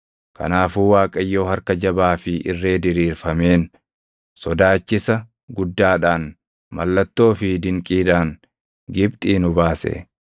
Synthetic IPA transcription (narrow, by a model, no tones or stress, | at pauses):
kɐ̰naːfuːwaːkʼɐjːo̞ːhɐɾkɐd͡ʒɐbaːfɪʔɪrːe̞ːd̪ɪɾiːɾfɐme̞ːn | sɔd̪aːt͡ʃːɪsɐ | ɡʊd̪ːaːᶑaːn | mɐ̰lːɐt̪ːo̞ːfɪd̪ɪŋkʼiːd̪aːn | ɡɪbt̪ʼiːnʊbaːsɛ̰